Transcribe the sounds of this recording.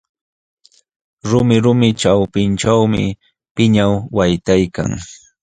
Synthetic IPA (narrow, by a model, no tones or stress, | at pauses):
ɾʊmɪɾʊmɪʈ͡ʂawpɪnʈ͡ʂawmɪ̰ | pɪɲawːajt̪ajka̰ŋ